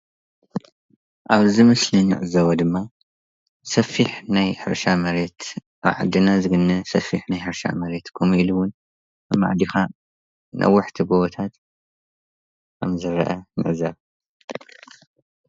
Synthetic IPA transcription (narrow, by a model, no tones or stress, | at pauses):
ʔaβzimɨslinɨ̰ʕɨzɐwɐd̪ɨmːa | sɐfiħnajħɨ̰ɾʃamɐɾet̪ʔa̰βʕa̰d̪ːɨnazɨɡɨnːɐsɐfiħnajħɨɾʃa̰mɐɾet̪kʰumiluwʊn | ɨmːa̰ʕd̪ixa | nʔɐ̰wːʊħt̪ʰiɡoβɐt̪ʰat̪ | kʰɐ̰mzɨɾɐ̰ʔɐnɨ̰ʕzaβ